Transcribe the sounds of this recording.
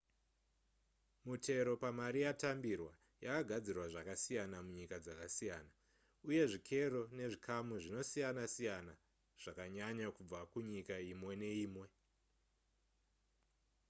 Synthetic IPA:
mutʰe̞ɾo̞pamaɾijatambirwa | jakaɡʱad͡zirwaʐakasijanamuɲikad͡zakasijaːna | uje̞ʐikʰe̞ro̞ne̞ʐikʰamuʐino̞sijanasijana | ʐ̥akaɲaɲakub͡vakuɲikaimwe̞ne̞iːmwe̞

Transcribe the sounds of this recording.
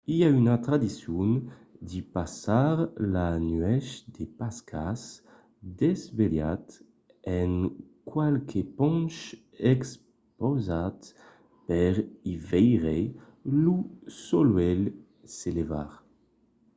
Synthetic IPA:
iaynat̪ɾad̪isjun | d̪ipasaʁlanɥɛʃd̪epaskʰas | d̪ɛzveljat̪ | ɛŋkwalkʰepɔ̃nʃ | ɛks | pozat̪ | pɛʁivɛjʁe | lusolwɛl | seleva̰ʁ

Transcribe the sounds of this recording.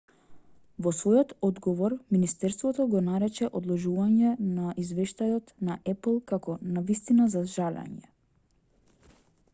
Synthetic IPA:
vɔsvɔjɔt̪ɔd̪ɡɔvɔɾminist̪ɛɾst̪vɔt̪ɔɡɔnaɾɛt͡ʃɛʔɔd̪lˠɔʒuvaɲɛnaʔizvɛʃt̪ajɔt̪naʔɛpl̩ˠkakɔnavist̪inazaʒalɛ̰ɲɛ̰

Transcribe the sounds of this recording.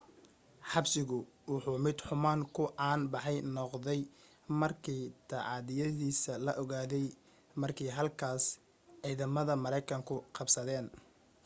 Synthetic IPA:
ħɑbsɪɣʊ | wʊħuːmɪd̪ħʊmaːŋkʰʊʔaːnbɑħɑjnɔqðɛj | mɐrkʰiːt̪ʰɐʕɑːðɪjɐðiːsɐlɐʔɔɣaːðɛj | mɐrkʰɛjɦɐlkʰaːs | ʕiːðɐmɐðɐmɐɾɛjkʰɐŋkʰʊqɑbsɐðɛːn

